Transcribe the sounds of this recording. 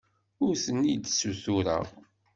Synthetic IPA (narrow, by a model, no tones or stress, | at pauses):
ʊɾsənːid̪suθʊɾa̰